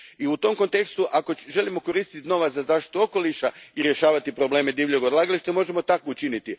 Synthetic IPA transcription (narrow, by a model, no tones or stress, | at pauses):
iut̪o̞mkont̪e̞kst̪uʔako̞ʒe̞limo̞ko̞ɾiːst̪it̪ino̞ʋazazaːʃt̪i̥t̪uo̞ko̞liʃaiɾje̞ʃaːʋat̪ipɾo̞ble̞ːme̞d̪iːʋlʎoɡod̪laɡaliʃt̪emo̞ʒe̞mo̞t̪akout͡ʃinit̪i